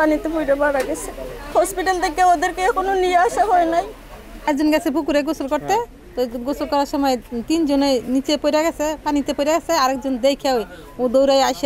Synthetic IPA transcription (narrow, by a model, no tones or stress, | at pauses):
panit̪ebʱojɾebaɾaɡɛt͡ɕʰehɔspiʈalt̪ʰekeod̪eɾkekononijaʃaɦɔenaj | ɛk̚d͡ʑonɡɛt͡ɕʰebʱukuɾeɡosolkɔɾt̪e | t̪oɡosolkɔɾaʃɔmɔet̪ind͡ʑoneenit͡ɕepojɾaɡɛsʰepanit̪epojɾaɡɛt͡sʰeaɾɛk̚d͡ʒond̪ejkʰae | od̪owɾajaʃ